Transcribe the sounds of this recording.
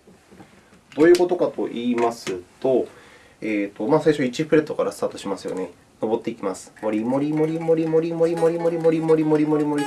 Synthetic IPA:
d̪̥oːjɯ̟ːko̞t̪o̞kat̪o̞̰ʔiːmasɨt̪o̞ | eːt̪o̞maːsaiɕo̞it͡ɕiɸɯ̟ɾe̞t̪ːo̞kaɾasɨ̥t̪aːt̪o̞ɕimasɨjo̰ne̞ | no̞bo̞t̪ːe̞ikʲimasɨ̥mo̞ɾʲimo̞ɾʲimo̞ɾʲimo̞ɾʲimo̞ɾʲimo̞ɾʲimo̞ɾʲimo̞ɾʲimo̞ɾʲimo̞ɾʲimo̞ɾʲimo̞ɾʲimo̞ɾʲi

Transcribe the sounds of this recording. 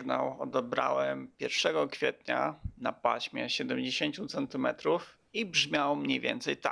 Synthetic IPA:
ɡna̰wɔ̰d̪ɛbɾa̰wɛmpʲjɛɾfʂɛɡɔkfʲjɛt̪ɲa̰napa̰ʑmʲjɛɕɛd̪ɛmd͡ʑeɕeɲt͡ɕut̪sɛnt̪ɘmɛt̪ɾuf | ibʐmʲjawmɲejvʲjɛ̰nt̪sɛjt̪a̰

